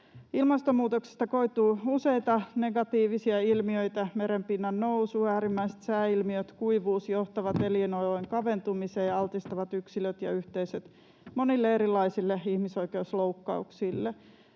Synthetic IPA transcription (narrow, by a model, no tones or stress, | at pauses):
ilmɑst̪omːuːt̪oksi̥st̪ɑko̞it̪uːuse̞jt̪ɑne̞ɡɑt̪iːʋisiɑilmiøjt̪æme̞ɾempinːɑnnousuːæːɾimːæise̥t̪sæːilmiøt̪kuiʋuːsjoht̪ɑʋɑt̪elinolojŋkɑʋe̞nt̪umiseːjɑɑlt̪ist̪ɑʋɑt̪yksiløt̪jɑ̰yht̪eisøt̪ | monilːeeɾilːˑɑisilːeihmiso̞ike̞usloukːɑ̰ṵksilːe